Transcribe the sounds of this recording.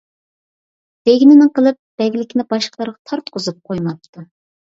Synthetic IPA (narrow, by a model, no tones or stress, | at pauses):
d̪̥eɡʲinɪnɪŋqʰəlˠɨp̚b̥ɛɡʲlɪkʲʰinɪbɑʃqʰlˠɑɾʁɑt̪ʰɑɾt̪̚qʰʊzup̚qʰojmɑp̚t̪ʰu